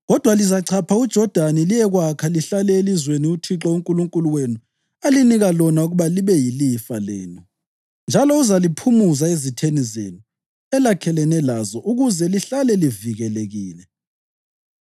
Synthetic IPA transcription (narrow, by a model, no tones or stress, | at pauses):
ɣɔd̥ʱwalizaǀʰapʰaud̥ʒ̥ʱɔd̥ʱanilijɛɣwakʰaliɬalɛelizweniutʰiǁɔuŋkʼuluŋkʼuluwenu | aliniɣalɔnauɣuβaliβɛjilifalɛ̰ːnu | nd͡ʒʱalɔuzalipʰumuzaezitʰenizḛnu | ɛlakʰɛlɛnɛlazɔʔuɣuzɛliɬalɛliviɣɛleɣiːlɛ